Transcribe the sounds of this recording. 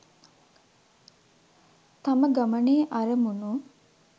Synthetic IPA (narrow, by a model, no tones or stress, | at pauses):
t̪ɐmɐɡɐmɐneːʔɐɾɐmunuː